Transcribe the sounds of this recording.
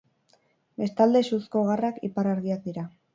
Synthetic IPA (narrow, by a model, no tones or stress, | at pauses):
be̞st̪ald̪e̞susko̞ɣarakipaɾaɾɣiak̚d̪iɾa